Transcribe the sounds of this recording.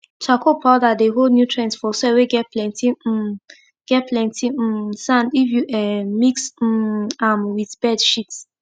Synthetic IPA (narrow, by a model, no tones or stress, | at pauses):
t͡ʃʰakʰopʰaʊdadeɦodnjutʰɹɛ̃nsfɔsɛweɡɛt̚plɛ̃ntʰi | ɡ̥ɛt̚pʰlɛ̃ntʰĩsãndifjuʔɛmiks̩ãmwiθb̥ɛdʃit